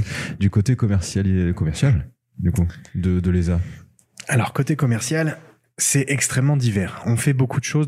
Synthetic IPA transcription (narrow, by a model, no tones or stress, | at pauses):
d̪ykot̪ekɔmɛʁsjakɔmɛʁsjal | d̪ykud̪əd̪əleza | alɔʁkot̪ekɔmɛʁsjal | sɛɛkst̪χɛmːɑ̃d̪ivɛʁɔ̃fɛbokʰud̪əʃoz